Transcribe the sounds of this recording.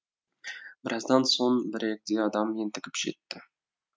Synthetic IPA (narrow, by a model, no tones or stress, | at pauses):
bɪɾʔɑzd̪ɑnsonbɪɾek̚d̪eɑd̪ɑmjent̪ɪkʲɪ̥pʒḛt̪ːɪ